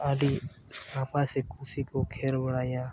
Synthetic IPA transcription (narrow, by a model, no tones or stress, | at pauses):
aːli | aːpasekũːsikokʰeːɾbəɽaːja